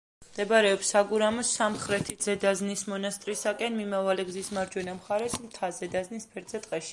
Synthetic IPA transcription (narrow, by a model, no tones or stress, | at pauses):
md̪ɛbaɾɛɔpsaɡuɾamɔsːamχɾɛt̪ʰid̪zɛd̪aznismɔnast̪ʼɾisakʼɛnmimavalɛɡzismaɾd͡ʒwɛnamχaɾɛsmt̪ʰazɛd̪aznispʰɛɾd̪zɛt̪ʼqʼɛʃi̥